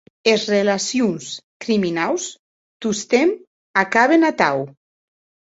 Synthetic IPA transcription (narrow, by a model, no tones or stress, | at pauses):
ezrelasjunskɾiminaws | t̪ust̪em | akaβenat̪aw